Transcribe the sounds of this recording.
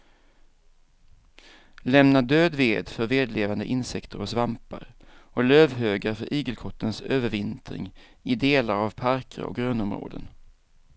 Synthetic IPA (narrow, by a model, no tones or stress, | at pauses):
lɛmnad̪øːd̪veːd̪fœɾveːd̪leːvand̪əʔɪnsɛkt̪ʰəɾɔsvampa̰ɾ | ʔɔløːvɦøːɡaɾfœɾʔiːɡəlkʰɔt̪ʰːənsøːvəɾvɪnt̪ɾɪ̰ŋ | ɪd̪eːlaɾavpʰaɾkʰə̰ɾɔ̰k̚ɡɾøːnɔmɾo̰ːd̪ə̰n